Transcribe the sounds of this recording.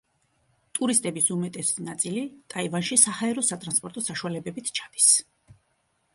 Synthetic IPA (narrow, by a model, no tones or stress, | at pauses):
t̪ʼuɾist̪ʼɛbisumɛt̪ʼɛsinat̪sʼilit̪ʼaivanʃisahaɛɾɔsat̪ʼɾanspʼɔɾt̪ʼɔsaʃualɛbɛbit̪ʰt͡ʃʰḁd̪̥i̥s